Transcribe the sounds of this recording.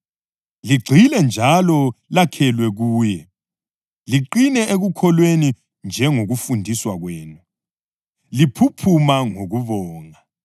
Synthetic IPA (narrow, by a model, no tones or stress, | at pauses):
liɡ͡ǀʱilɛnd͡ʒʱalɔlakʰɛlwɛɣuːjɛ | liǃinɛʔeɣukʰɔlweni | nd͡ʒʱɛŋoɣufundʱiswaɣweːnu | lipʰupʰumaŋoɣuβɔːŋa